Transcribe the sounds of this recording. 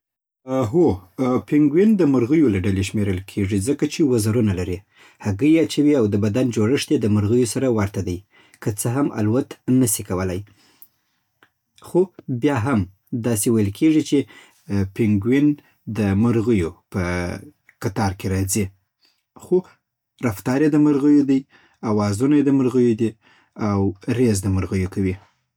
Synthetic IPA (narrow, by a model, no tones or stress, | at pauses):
ɦopɪŋɡwind̪əmʊɾɣəjolaɖaleʃmeɾəlkʰeʐizəkat͡ʃewazaɾunalaɾi | haɡəjat͡ʃawiawd̪əbad̪and͡ʒoɽəʂt̪ed̪əməɾɣəjosaɾawaɾt̪ad̪aj | kət͡səɦama̰lwat̪nəsikawəlaj | xobjɑɦam | d̪ɑsewajəlkʰeʐit͡ʃe | pɪŋɡwin | d̪əməɾɣəjopə | kat̪ɑɾkeɾɑzi | xo | ɾaft̪ɑɾjed̪əməɾɣəjod̪aj | awɑzunajed̪əməɾɣəjod̪i | awɾezd̪əməɾɣəjokawi